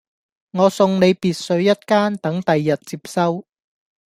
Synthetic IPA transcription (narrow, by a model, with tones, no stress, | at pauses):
ŋɔː˨˧sʊ˧ŋne˨˧jpiː˨t̚sɵ˨˧ɥjɐ˥t̚kaː˥nt̪ɐ˨˥ŋt̪ɐ˨jːɐ˨t̚t͡siː˧p̚sɐ˥w